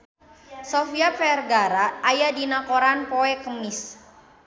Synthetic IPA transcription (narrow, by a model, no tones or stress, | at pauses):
sofiapɛrɡaɾaajadinakoɾanpɔɛkəmis